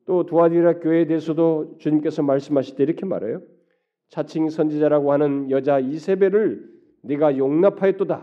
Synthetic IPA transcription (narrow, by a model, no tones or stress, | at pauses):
t͈otuadiɾakjoedeesʰʌdot͡ɕuɲimk͈e̞sʰʌmaɭs͈ɯmɦaɕʰi̥daiɾʌkʰema̰ɾḛjo | t͡ɕʰat͡ɕʰiŋsʰʌnd͡ʑid͡ʑaɾaɡohanɯnjʌd͡ʑaisʰe̞be̞ɾɯɭ | neɡajoŋnapʰajet͈oda